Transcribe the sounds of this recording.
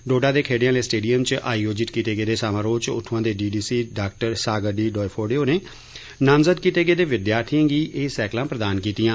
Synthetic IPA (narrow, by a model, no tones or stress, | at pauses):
ɖoːɖaːd̪eːkʰeːɖijãːleːsʈeːɖijəmt͡ʃʔaːioːd͡ʒɪt̪kiːt̪eːɡeːd̪eːsaːmãːɾoːt͡ʃʊ̰ʈʰːʋãːd̪eːɖiːɖiːsiːɖaːk̚ʈəɾsaːɡəɖiːɖɔːipʰoːɖeːoːneː | namzəd̪̚kiːt̪eːɡeːd̪eːʋɪd̪jaːɾt̪ʰijãːɡiːʔeːsɛːklãːpɾəd̪aːnkiːt̪ɪjãː